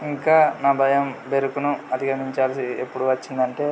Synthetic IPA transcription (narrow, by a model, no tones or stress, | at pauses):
iŋkaːnaːbʱɐjɐmbe̞ɾukunuɐd̪ʱiɡɐmiɲt͡ʃaːlɐsiepːuɽuʋɐt͡ʃːind̪ɐɳʈe̞ː